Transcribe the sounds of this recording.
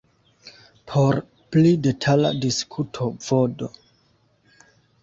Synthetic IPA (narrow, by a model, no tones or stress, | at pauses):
pʰo̞ɾ | plide̞tʰala̰diskʰutʰov̥odo